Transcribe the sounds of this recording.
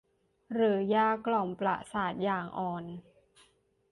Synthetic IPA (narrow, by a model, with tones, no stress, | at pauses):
ɾɯː˩˦jaː˧˩kːlɔ˨˩mpla̰˧˩saː˨˩t̪̚jaː˨˩ŋʔɔː˨˩n